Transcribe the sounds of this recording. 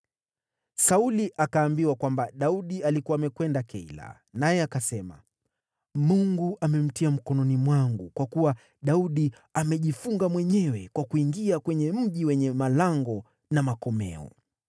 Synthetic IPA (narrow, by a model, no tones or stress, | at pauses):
sauliʔakaːmbiwakwambaɗauɗialikuwaːmɛkwɛndakʰɛila̰ | najɛakasɛma̰ | muŋɡuʔamɛm̩tiam̩kɔnɔnimwaŋɡukwakuwa | ɗauɗi | amɛʄifuŋɡamwɛɲɛwɛkwakuiŋɡiakwɛɲɛm̩ʄiwɛɲɛmalaŋɡɔ | namakɔmɛ̰ɔ̰